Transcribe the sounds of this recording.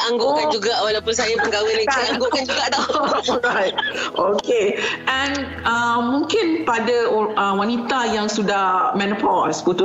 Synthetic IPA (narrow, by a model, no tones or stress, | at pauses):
ʔaŋɡokand͡ʒuɡaʔwalawpʊnsajapəŋɡawɪnĩaaŋɡokand͡ʒuɡaʔdaajt̚okeʔɛ̃n | əmmːũŋkɪnpadaəwanit̪ajaŋsudahmɛ̃nupɔla̰skut̪u